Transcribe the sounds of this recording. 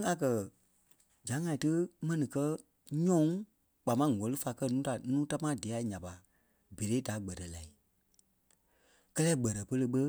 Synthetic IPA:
a˨kɜ˨ | d͡ʒã˨˦ŋã˧˨ĩ˨tɨ˦mɛ̃˧nĩ˨kɜ˦ | ɲɔ̃˦ŋ | k͡pa˨mã˦˨ŋɔ̃˨lɨ˦fa˧˨kɜ˦nũː˦ta˨nũː˦ta˦mãː˦di˨a˨ɲã˨pa˨ | be˨ɾeː˨˦da˨˦ɡ͡bɜ˨tɛ˨la˨i˨ | kɜ˦lɛː˦ɡ͡bɜ˨ɾɜ˨pə˧lə˧ɓə˦

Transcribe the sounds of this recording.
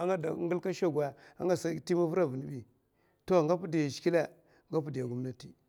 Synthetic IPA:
a˦ŋɡa˦da˨˦ŋɡu˦lka˦ʃa˦ɡwa˨a̰˦ŋɡa˦sa˦ti˦ma˦vu˦ɾa˦vu˨ni˨ɓi˨ | to˦˨ŋɡa˦pu˦di˨ja˨ʃki˦la˦ | ŋɡa˦p̬u˦di˨ja˨ɡu˦mna˦ti˦

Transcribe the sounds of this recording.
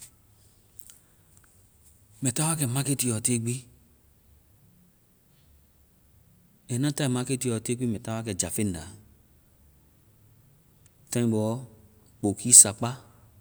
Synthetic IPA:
mɛ˨ta˦wa˦kɛ˨ma˦ke˦ti˨ɔ˨te˦ɡ͡bi˦ | ɛ˨nã˦ta˦i˨ma˦ke˦ti˨jɔ˨te˦ɡ͡bi˦mɛ˨ta˦wa˦kɛ˨d͡ʒa˨fe˦n˨da˨ | tã˦nĩ˦bɔ˨˦ | k͡po˨kʰi˦sa˨k͡pa˦

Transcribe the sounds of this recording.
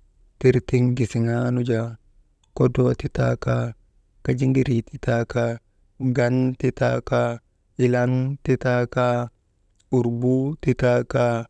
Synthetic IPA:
ti˦ɾti˦ŋɡi˨si˨ŋa˦nu˦d͡ʒa | ko˦dot̪i˦ta̰ka˦ | kad͡ʒi˦ŋɡiɾi˨t̪i˦taka˦ | ɡa˦nti˦ta˦ka | i˨lanti˦ta˦ka | u˨ɾbu˦ti˦ta˦ka˦

